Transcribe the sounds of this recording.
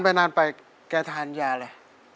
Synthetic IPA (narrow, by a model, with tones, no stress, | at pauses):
npa˧jnaː˧npa˨j | kɛː˧˩t̪ʰaː˨˩˦njaː˧laː˧˩